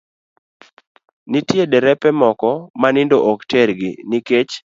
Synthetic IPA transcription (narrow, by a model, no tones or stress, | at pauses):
nitjedɛɾɛpɛmɔkɔmanɪndoʔɔktɛɾɡɪ̰nɪket͡ʃ